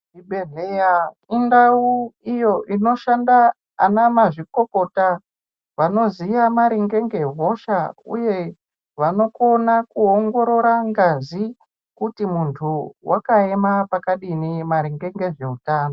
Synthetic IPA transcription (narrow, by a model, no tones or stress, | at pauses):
iɓeɮeja | indauijo̞ʔino̞ʃandaː | namaʐiko̞ko̞ta | ʋano̞zijamaɾiŋɡe̞ŋɡe̞ɦo̞ʃaṵje̞ | ʋano̞ko̞nakuoŋɡo̞ɾo̞ɾaŋɡazi | kutimuntʰuwʔakae̞mapakaɗinimaɾiŋɡe̞ŋɡe̞ʐe̞utaːno